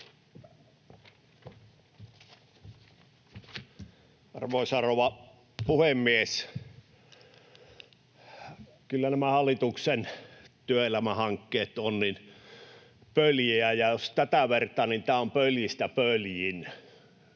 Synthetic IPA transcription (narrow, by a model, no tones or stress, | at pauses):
ɑ̰rʋoˑisɑroʋɑ | puhemːies | kylːænæmæhɑlːˑit̪uksent̪yøelæmæhɑŋkːeːt̪onnin | pøljeæjɑjost̪æt̪æʋert̪ɑnint̪æːompøljist̪æpøljin